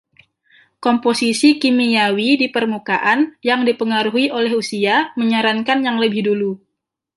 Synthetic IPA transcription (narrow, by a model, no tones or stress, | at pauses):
komposisikimijawidipərmukaʔanjaŋdipəŋaɾuɦiʔolɛɦusiaməɲaɾankanjaŋləbɪhdulu